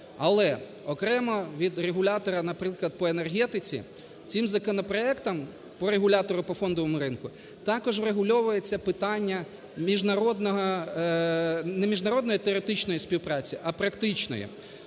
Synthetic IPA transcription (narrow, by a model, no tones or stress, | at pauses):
ɐlˠɛ | ɔkɾɛmɔʋʲid̪reɦʊlʲat̪ɔɾɐnɐpɾɪklˠɐd̪̚pɔenerɦɛt̪ɪt͡sʲḭ | t͡s̪ʲimzɐkɔnɔpɾɔɛkt̪ɐm | pɔɾeɦʊlʲat̪ɔɾʊpɔfɔnd̪ɔʋɔmʊɾɪnkʊ | t̪ɑkɔʒwɾeɦʊlʲɔʋʊjet͡sʲːɐpɪt̪ɑnʲːɐ | mʲiʒnɐɾɔd̪nɔɦɐ | nɛmʲiʒnɐɾɔd̪nɔjit̪eɔɾʲet̪ɪt͡ʃnɔjisʲpʲiwpɾɑt͡sʲiʔɐpɾɐkt̪ɪt͡ʃnɔ̰jḭ